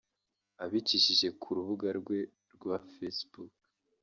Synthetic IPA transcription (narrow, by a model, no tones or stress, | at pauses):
aβiciʃiʒe̞kʰuɾuβuɡaɾɡwe̞ | ɾɡwafesbuk